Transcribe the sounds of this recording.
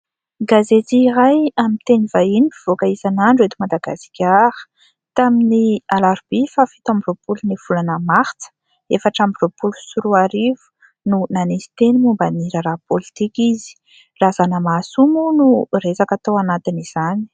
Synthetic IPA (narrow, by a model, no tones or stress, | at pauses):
ɡazet͡siːɾajamint̪enivainifiv̥okaisanaɳɖ͡ʐuet̪umad̪aɡasi̥kʲahə̥ | t̪aminialaɾb̥ifafi̥t̪ambiropuluniv̥ulanəmaht͡sə̥ | efaʈ͡ʂambiropulusuɾuaɾivu̥ | nunanisi̥t̪enimumbəniɾaɾapolit̪ikʲizi̥ | razanəmasumunuresakat̪owanat̪iniz̥ani̥